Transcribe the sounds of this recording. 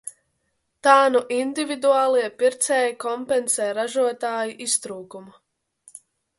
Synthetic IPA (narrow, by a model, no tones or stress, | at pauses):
t̪aːnuʔind̪ivid̪uaːlˠiɛpiɾt̪sɛːjikɔmpɛnsɛːɾaʒuɔt̪aːjiʔist̪ɾuːkumu